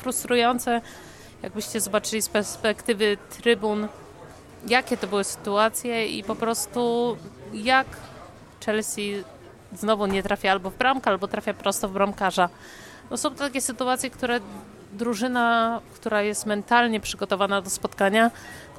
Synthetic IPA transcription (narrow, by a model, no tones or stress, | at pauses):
fɾust̪ɾujɔnt̪sɛ | ja̰ɡ̚bɘɕt͡ɕɛzɔbat͡ʂɘlʲispɛɾspɛkt̪ɘvɘt̪ɾɘbun | jakʲɛt̪ɔbɘwɘsɘ̥t̪uat̪sʲjɛḭpɔpɾɔst̪u | jak | t͡ʂɛlsʲi | znɔvuɲɛt̪ɾafʲjaalbɔvbɾamkalbɔt̪ɾafʲjapɾɔst̪ɔvbɾamkaʐa | nɔsɔ̃w̃t̪akʲɛsɘt̪uat̪sʲjɛkt̪uɾɛ | d̪ɾuʐɘnakt̪uɾajɛst̪mɛnt̪alɲɛpʂɘɡɔt̪ɔvanad̪ɔspɔt̪kaɲa